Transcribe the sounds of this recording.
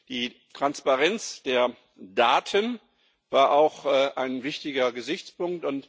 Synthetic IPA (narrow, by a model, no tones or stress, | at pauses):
d̥iːtʁ̥anspaʁɛnt͡sd̥eːɐ | daːtʰən | v̥aːɐʔaʊxʔaɪnvɪçtɪɡɐɡəzɪçt͡spʊŋktʊnt